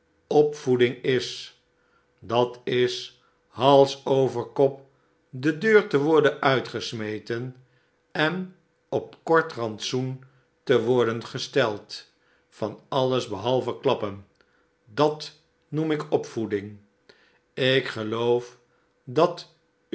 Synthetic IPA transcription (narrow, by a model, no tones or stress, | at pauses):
ɔpfudɪŋɪs | dɑtɪs | hɑlˠsowvəɹkɔp̚ | dədøːɹtəʋɔɹdənœɥtχəsmejtən | ɛn | ɔp̚kɔɹtrɑntsun | təʋɔɹdənχəstɛlˠt | fɑnɑləzbəɦɑlˠvəklɑpən | dɑt | numɪkɔpfudɪŋ | ɪkχəlowf | dɑt